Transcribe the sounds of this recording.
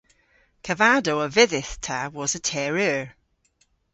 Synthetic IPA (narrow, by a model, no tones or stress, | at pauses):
kʰəvadoəvɪðɪθtʰəwɒzətʰɛɹəɹ